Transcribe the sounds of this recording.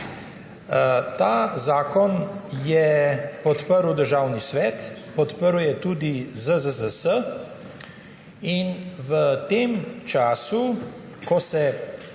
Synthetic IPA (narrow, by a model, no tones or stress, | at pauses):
t̪aːzaːkɔnjɛpɔt̪pəɾwd̪əɾʒaːwnisʋɛːt̪pɔt̪pəɾwjɛt̪uːd̪izəzəzəsə | inʋət̪eːmt͡ʃaːsu | kɔsɛ